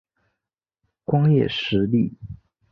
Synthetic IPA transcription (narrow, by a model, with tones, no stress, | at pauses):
kwɑ˥ŋjɛ̰˥˩ʂɻ̩˧˥li˥˩